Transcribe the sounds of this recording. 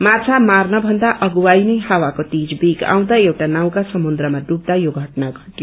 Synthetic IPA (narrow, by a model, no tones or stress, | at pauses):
mat͡sʰamarnʌbʱʌnd̪aʔʌɡuwajnʌjhawakot̪id͡zbiɡa̰w̃d̪aewʈanaw̃kasʌmund̪ɾʌmaɖub̚d̪ajoɡʱʌʈnaɡʱʌʈjo